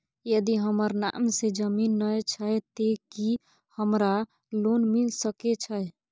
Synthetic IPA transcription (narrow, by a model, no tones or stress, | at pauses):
jəd̪iɦəməɾna̰msed͡ʒəminːət͡ʃʰəet̪eki | həmɾa | lonmilsəket͡ʃʰəɛ